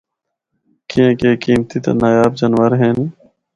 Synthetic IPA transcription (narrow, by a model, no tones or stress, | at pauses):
kiẽːkeːkiːmt̪it̪a̰naːjaːbd͡ʒənʋəɾɦeːn